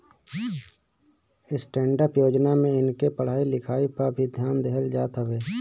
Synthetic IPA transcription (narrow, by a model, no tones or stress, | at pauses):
ɪsʈɛ̃ːɳɖəpjoːd͡ʒnamẽɪnkepəɽ̤aːilɪkʰaːipəɾbʱid̪ʱjaːnd̪ɛɦəld͡ʒaːt̪ɦəʋeː